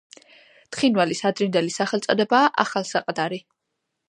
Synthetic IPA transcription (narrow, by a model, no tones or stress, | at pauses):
t̪χinvalisad̪ɾind̪ɛlisaχɛlt̪sʼɔd̪ɛbaːʔa̰χalsaqʼd̪aɾi